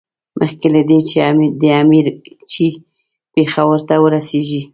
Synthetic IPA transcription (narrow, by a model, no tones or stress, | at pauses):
mʔəxkelad̪et͡ʃed̪əamiɾ | t͡ʃi | pexawəɾt̪awəɾaseʒi